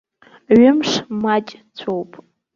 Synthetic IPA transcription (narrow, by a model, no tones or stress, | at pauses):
ɥʊmʂmat͡ʃʼ | t͡sʷʰowpʼ